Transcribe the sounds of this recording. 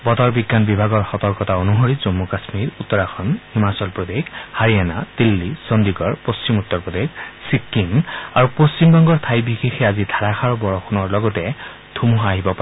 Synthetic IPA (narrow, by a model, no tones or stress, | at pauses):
bɔd̪ɔɹbiɡːanbibʱaɡɔɹxɔt̪ɔɹkɔtaonuɦoɹizomːukasmiɹut̪ːɔɹaxʰɔnhimasɔlpɹod̪exhaɹianat̪ilːisɔnd̪iɡɔɹpost͡ʃimut̪ːɔɹpɔd̪eksip̚kimaɹupost͡ʃimbɔŋɡɔɹt̪ʰajbixexɛazidʱaɹaxʰaɹɔbɔɹɔxʰɔnɔɹlɔɡɔtɛ | d̪ʱumuɦaɦibɔpaɛ